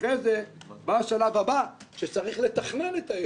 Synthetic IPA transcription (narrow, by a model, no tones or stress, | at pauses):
ezebaʃalavhaba | ʃet͡saʁiχle̞t̪aχne̞net̪a